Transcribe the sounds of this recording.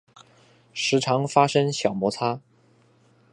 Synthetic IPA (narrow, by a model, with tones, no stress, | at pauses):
ʂɻ̩˧˥ʈ͡ʂʰɑ˧˥ŋfa˥ʂə˥ŋɕjɑ˨˩ʊmwɔ˧˥t͡sʰa˥